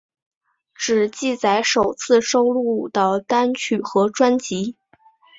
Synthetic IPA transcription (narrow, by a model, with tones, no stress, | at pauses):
ʈ͡ʂɻ̩˨˩t͡ɕi˥˩t͡sa˧˥ɪʂo˨˩ʊt͡sʰɹ̩˥˧ʂo˥ʊlu˥˩d̪ə˩t̪a˥nt͡ɕʰy˨˩xɤ˧˥ʈ͡ʂwa˥nt͡ɕi˧˥